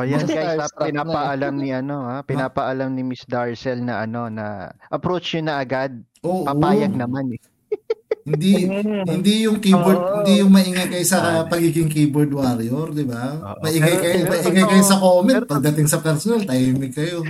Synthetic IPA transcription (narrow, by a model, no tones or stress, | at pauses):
ʔojankɐɐpɪnapɐʔɐlamniʔɐno̞hapɪnnaːpɐʔɐlamnɪmisd̪aɹsɛlnɐʔɐno̞nɐ̰ʔɐpɾot͡ʃɲʊnɐʔɐɡad̪̚ | ʔoːʔpɐopaːjɐɡ̚nɐmanɛ | hɪd̪ihɪnd̪ijʊŋkiboɾd̪̚hɪnd̪ijʊŋmɐʔɪŋɐjkɐjosɐpɐɡiɡɪŋkiːboɹd̪waɾjoɾd̪ɪba | mɐʔɪŋajkɐjmɐʔɪŋajkɐjosɐkoːmɛn̚pɐɡ̚d̪ɐt̪ɪŋsɐpɛɾsonalt̪ɐjɛmɪkːɐjo̞